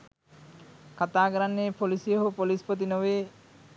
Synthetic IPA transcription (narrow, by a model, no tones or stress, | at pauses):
kat̪aːɡɾanːeːpolisijoɦupolispot̪̬inoʋeː